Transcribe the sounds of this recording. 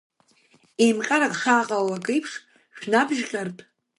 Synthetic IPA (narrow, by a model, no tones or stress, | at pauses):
ejmqʲʼaɾakχaːqʼawakʼɨjpʰχʲ | ʃᶣnabʒqʲʼartʼ